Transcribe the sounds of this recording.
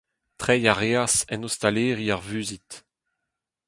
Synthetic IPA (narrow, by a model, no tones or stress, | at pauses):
tχɛjaʁeasɛnost̪aleːʁiaʁvyːzit